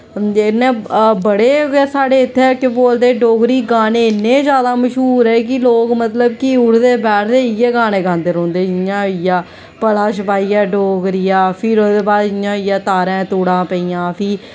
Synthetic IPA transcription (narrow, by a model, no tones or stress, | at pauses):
ɪnːẽːbəɽeːʋsaːɖeːɪt̪ʰːeɛkɪboːld̪eːɖoːɡɾiːɡaːneːɪnːẽːd͡ʒjaːd̪aːməʃɦuːɾɛːkɪloːkmət̪ləbkɪʊɾd̪eːbɛːɾd̪eːɪjɛːɡãːneːɡãːnd̪eːɾõːnd̪eːɪãːɪjaː | pəlaːʃəpaːiːɛːɖoːɡɾijaːpʰɪːɾoːd̪eːbaːd̪ɪãːɪjaːt̪aːɾɛ̃ːt̪uːɽãːpəiːjãːpʰiː